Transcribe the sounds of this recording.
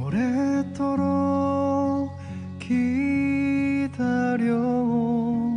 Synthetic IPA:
oɾet̪ʰoɾo | kʰi | d̪aɾjʌɡoo

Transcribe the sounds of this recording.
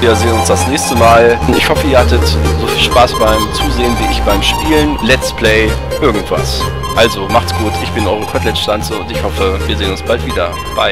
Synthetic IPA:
viːɐzeːənʊnsd̥asnɛːçstəmaːlɪçhɔfəiːɐhatətzoːfiːlʃpaːsb̥aɪmt͡suːzeːənviːɪçb̥aɪmʃpiːlənlɛt͡stpʰl̥ɛɪ | ʔɪɐɡŋ̩tv̥a̰s | ʔalzomaχtsɡ̥uːtʰɪçb̥ɪnʔɔʏʁəkʰɔtlɛtʃtant͡səʊntɪçhɔfəviːɐzeːənʊnsb̥altv̥iːdɐ | b̥a̰ɪ

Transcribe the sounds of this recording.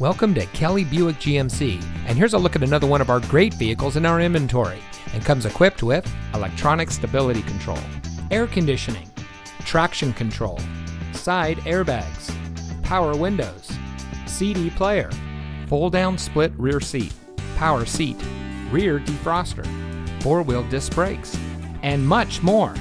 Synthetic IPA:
wɛlˠkə̃mtɨkʰɛlˠibjʉɨk̚d̥ʒ̥iɛ̃msḭʔɨ̃nɦɪɹzəlʊkɨɾɨnʌðə˞wʌ̃ñʌvaʊə˞ɡɹeɪtviɨkl̩ˠzɨ̃naʊə˞ɛ̃mvɨ̃ntʰɔɹḭ | ɨ̃nkʰʌ̃mzɨkʰw̥ɪp̚t̚wɪðəlɛ̰k̚tʰɹ̥ɑnɨkstɨbɪlˠəɾikʰn̩tʰɹ̥o̰ʊlˠɛɹkʰɨ̃ndɪʃɨnɪ̰̃ŋ | tʰɹ̥ækʃɨ̃nkʰntʰɹ̥o̰ʊlˠsaɪɾɛɹbæɡz̥pʰaʊə˞wɪ̃ndoʊz̥siɾipʰl̥eɪə̰˞foʊlˠdãʊ̃nsplɪt̚ɹɪɹsḭt̚ | pʰaʊə˞sit | ɹɪɹdifɹɑstə̰˞ | fɔɹwilˠdɨsb̥ɹeɪks | ɨ̃nmʌt͡ʃmɔɹ

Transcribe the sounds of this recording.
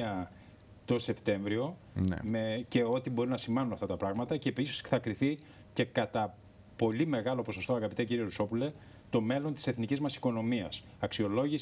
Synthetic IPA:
ɐ | t̪o̞se̞pt̪e̞ɱvɾio̞ | n̰mece̞o̞t̪ibo̞ɾinɐsimɐnunɐft̪ɐt̪ɐpɾɐɣmɐt̪ɐce̞pisi̥sθɐkɾiθi | ce̞kɐt̪ɐ | po̞lime̞ɣɐlo̞po̞so̞st̪oɐɣɐpit̪eciɾio̞ɾuso̞pule̞ | t̪o̞me̞lo̞nt̪i̥se̞θnicizmɐsi̥ko̞no̞miɐs | ɐksio̞lo̞ʝis

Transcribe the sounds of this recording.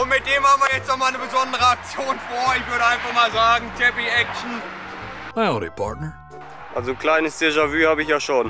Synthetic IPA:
ʔʊntmɪt̚d̥eːmhaːbm̩viɐjɛt͡stnɔχmaːlnəbəzɔndəʁəak̚t͡sjoːnfoːɐɪçv̥ʏɐɾəaɪnfaχmaːlzaːɡŋ̩tʰɛpiɛk̚t͡ʃn̩ | maɪoɾḭpʰa̰ɹtnə˞ | ʔalzokl̥aɪnəsd̥eːʒavyːhaːbəɪçjaːʃoːn

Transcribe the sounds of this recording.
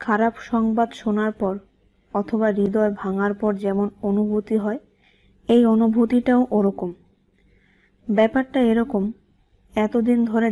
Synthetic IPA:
kʰaɾabʃɔŋbad̪ʃonaɾpɔɾ | ɔt̪ʰoβaɾid̪ɔebʱaŋaɾpɔɾd͡ʑɛmononubʱut̪iɦɔe | ejonubʱut̪iʈaoʔoɾɔkom | bɛpaɾʈaeɾɔkom | ɛt̪od̪ind̪ʱoɾe

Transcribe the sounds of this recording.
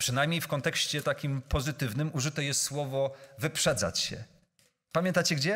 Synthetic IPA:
pʂɘnajmʲɲejfkɔnt̪ɛkɕt͡ɕɛt̪akʲimpɔzɘt̪ɘvnɘmuʐɘt̪ɛjɛst̪swɔvɔvɘpʂɛd̪za̰t͡ɕɕɛ̰ | pamʲjɛ̃nt̪at͡ɕɛɡd͡ʑɛ

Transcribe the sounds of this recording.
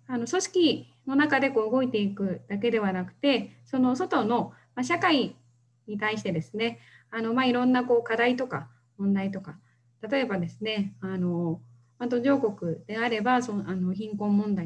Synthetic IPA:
ano̞so̞ɕi̥kʲi | no̞nakad̪e̞ko̞ːɯ̟ɡo̞it̪e̞ikɯ̟d̪̥ake̞d̪e̞βanakɯ̟̥t̪e̞so̞no̞so̞t̪o̞no̞ | maɕakai | ɲ̟it̪aiɕi̥t̪e̞d̪e̞sɨne̞ | ano̞maiɾõ̞nːako̞ːkad̪ait̪o̞ka | mõ̞nd̪ait̪o̞ka | t̪at̪o̞e̞bad̪e̞sɨne̞ano̞ | mat̪o̞ʑo̞ːko̞kɯ̟d̪̥e̞aɾe̞basoano̞çĩŋkõ̞mːõ̞nd̪ai

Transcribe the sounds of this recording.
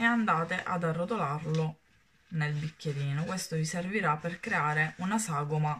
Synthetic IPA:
eand̪aːt̪eʔa̰d̪arːot̪olarlo | nelbikːeɾiːnokwest̪oviserviɾapːerkɾeaːɾeunasaːɡoma

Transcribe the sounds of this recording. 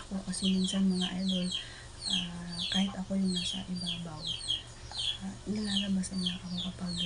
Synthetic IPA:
ɐko̞kɐsɛmɪnsanmɐŋaʔajd̪ol | ʔakaːhɪt̪ɐko̞jʊŋnaːsɐ̰ʔɪbaːbaw | ʔanɐlaːlɐbasɐnːaʔɐkokɐpaɡ

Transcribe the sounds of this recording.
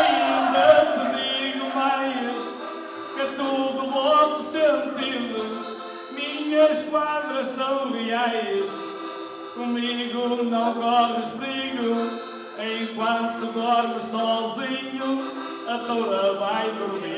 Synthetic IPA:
ĩd̪ɐt̪ɨðiɣumajʃ | kɨt̪uðuβɔt̪usẽnt̪iðɨ | miɲɐʃkwaðɾɐʃsɐ̃w̃ɣiajʃ | kumiɣʊnɐ̃w̃kɔɾmɨʃiɣu | ẽj̃kwɐ̃nt̪ut̪uɣɔɾmɨʃsɔziɲʊ | ɐt̪owɾɐβajðu

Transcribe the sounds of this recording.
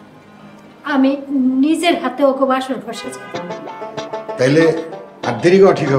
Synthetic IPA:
aminid͡ʑeɾɦat̪eokobaʃoɾbʱoɾʃet͡ɕʰikon | t̪aɦileaɾd̪eɾikoɔʈʰikɦɔ

